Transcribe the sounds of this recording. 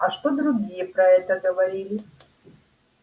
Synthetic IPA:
ɐʂt̪od̪ɾuɡʲijɛpɾɐɛt̪əɡəvɐɾʲilʲɪ

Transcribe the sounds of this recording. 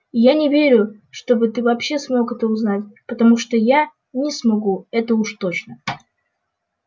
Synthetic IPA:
janʲɪvʲeɾʲʊʂt̪o̞bɨt̪ɨvɐpɕːe̞smo̞kɛt̪əʊznatʲpət̪ɐmuʂt̪o̞ja | nʲɪsmɐɡuɛt̪əuʂt̪o̞t͡ɕnə

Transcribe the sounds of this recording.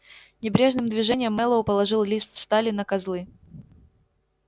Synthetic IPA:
nʲɪbɾʲe̞ʐnɨmd̪vʲɪʐɛnʲɪjəmːɛlˠəʊpəlˠɐʐɨlˠlʲist̪fst̪alʲɪnəkɐzlˠɨ

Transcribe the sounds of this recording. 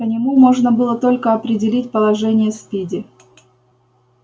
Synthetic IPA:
pənʲɪmumo̞ʐnəbɨlˠət̪o̞lʲkəɐpɾʲɪdʲɪlʲitʲpəlˠɐʐɛnʲɪjəspʲidʲɪ

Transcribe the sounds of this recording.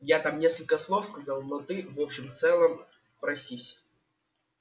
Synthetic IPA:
jat̪amnʲe̞skəlʲkəslˠo̞fskɐzɑlˠnot̪ɨvopɕɪmft̪sɛlˠəm | pɾɐsʲisʲ

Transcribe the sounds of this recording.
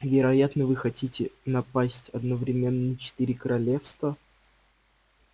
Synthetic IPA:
vʲɪɾɐjat̪nəvɨxɐtʲitʲɪnɐpasʲtʲɐd̪nəvɾʲɪmʲenːət͡ɕɪ̥t̪ɨɾʲɪkəɾɐlʲe̞fst̪və

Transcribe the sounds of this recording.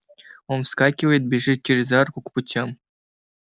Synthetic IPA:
onfskɑkʲiʋejt̪̚bʲiʐit͡ɕirʲzɑrkukput͡ɕʲːem

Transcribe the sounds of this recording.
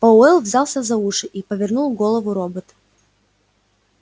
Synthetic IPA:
pɐʊɛlˠvzʲalˠsʲəzɐuʂɨʔipəvʲɪrnulˠɡolˠəvʊɾobət̪

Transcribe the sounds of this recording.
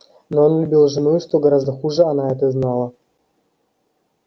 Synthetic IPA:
noonlʲʉbʲilˠʐɨnujʊʂt̪oɡɐɾazd̪əxuʐɨanaɛt̪əznalˠə

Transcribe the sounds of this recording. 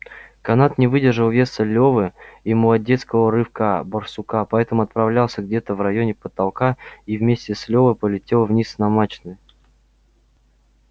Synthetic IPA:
kɐnat̪nʲɪvɨdʲɪrʐɨlˠvʲe̞səlʲovɨiməlˠɐdʲet̪skəvəɾɨfkabərsʊkapɐɛt̪əmʊɐt̪̚pɾɐvlʲalˠsʲəɡdʲe̞t̪əvrɐjonʲɪpət̪ɐlˠkaivmʲesʲtʲɪsʲlʲovəjpəlʲɪtʲe̞lˠvnʲisnɐmat͡ɕnɨj

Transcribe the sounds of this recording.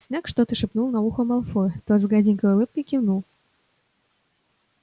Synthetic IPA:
sʲnʲækʂt̪ot̪ɨʂɨpnulˠnauxŏmɑlˠfot̪ozɡadʲikəjulˠɨp̚kəkʲivnulˠ

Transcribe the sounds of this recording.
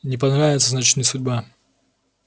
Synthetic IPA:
nʲɪpɐnɾavʲɪt̪səznat͡ɕɪ̥tnɨjsʊdʲba

